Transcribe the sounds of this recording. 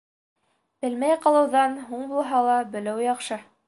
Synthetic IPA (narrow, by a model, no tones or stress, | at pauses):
b̥ɘlmæjqɑlˠɤ̆wðɑnɦuɴbulˠɦɑlˠɑbɘ̆lɘwjɑqʃɤ